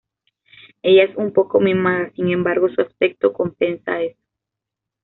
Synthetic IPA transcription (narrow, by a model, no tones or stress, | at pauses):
e̞ʝaesumpo̞ko̞memaɣasiŋẽ̞mbaɾɣo̞suaspe̞k̚t̪o̞ko̞mpe̞nsa̰e̞so̥